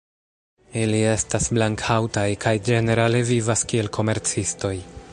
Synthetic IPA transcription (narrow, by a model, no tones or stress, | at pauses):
ilie̞stasblaŋkʰawtajkʰajd͡ʒe̞ne̞ɾale̞vivaskie̞lkʰo̞me̞ɾt͡sisto̞j